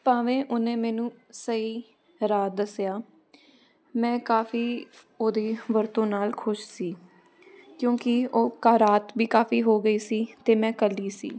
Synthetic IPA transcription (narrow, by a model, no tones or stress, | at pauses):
paːʋẽːʔʊnẽːmɛːnũːsəiː | ɾaːt̪̚d̪əsɪjaː | mɛ̃ːkaːfiː | oːd̪eːʋəɾt̪õːnaːlkʰʊʃsiː | kjõːkɪoːkaːɾaːt̪biːkaːfiːɦoːɡəiːsiːt̪eːmɛ̃ːkəlːiːsḭː